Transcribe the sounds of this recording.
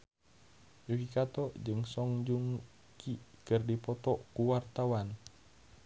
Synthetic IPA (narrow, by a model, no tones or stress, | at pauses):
jukikat̪ɔd͡ʒɨŋsɔŋd͡ʒuŋ | kikɨrdipɔt̪ɔkuwart̪awan